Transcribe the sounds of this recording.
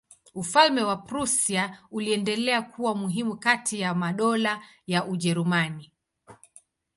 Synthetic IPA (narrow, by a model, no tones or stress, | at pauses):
ufalmɛwapɾusiauliɛndɛlɛakʰuwamuɦimukatʰijamaɗɔla | jaʔuʄɛɾumani